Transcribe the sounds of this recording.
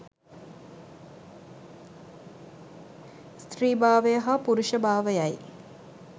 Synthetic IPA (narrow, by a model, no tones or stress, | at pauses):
st̪riːbaːʋəjəɦapuɾuʃəbaːʋəjaj